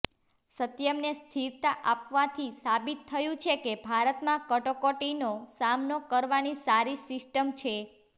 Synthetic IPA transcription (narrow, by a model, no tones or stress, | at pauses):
sət̪jəmnest̪ʰiɾt̪aʔapʋat̪ʰisabit̪ʰːəjũt͡ʃʰekebʱaɾət̪mãkəʈokoʈinosamnokəɾʋanisaɾisɪsʈəmt͡ʃʰe